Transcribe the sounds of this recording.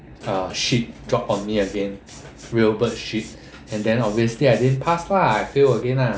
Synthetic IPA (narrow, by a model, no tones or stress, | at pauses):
ʌʃit̚dɹɔpɔ̃nmiəɡɛ̃n | ɹiəlbətʃit̚ | ɛ̃ndɛ̃nɔbviəsliajdĩnpʰaswaajfewəɡɛ̃na